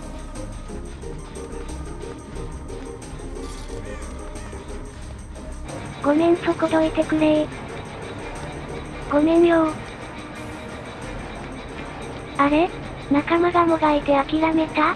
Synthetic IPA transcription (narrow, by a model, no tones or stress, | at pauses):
ɡ̥o̞mẽ̞nt͡sokot̪o̞it̪e̞kɯ̟ɾei | ɡ̥o̞mẽ̞ɲjoː | aɾe̞ | nakamaɡamoɡait̪e̞akʲiɾame̞t̪a